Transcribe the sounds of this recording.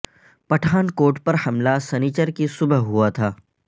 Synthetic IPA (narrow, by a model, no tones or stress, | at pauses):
pɐʈʰaːnkoːɾʈpɐɾhɐmlasɛnit͡ʃəɾkisʊbəɦɦuat̪ʰaː